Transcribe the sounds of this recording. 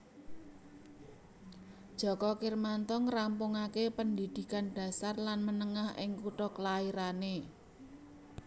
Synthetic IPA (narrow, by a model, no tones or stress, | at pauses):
d̥ʒ̥ɔ̤kɔkirmant̪ɔŋrampʊŋakepənd̪id̪̥i̤kand̥ä̤sarlanmənəŋahʔɪ̰ŋkuʈɔklaiɾane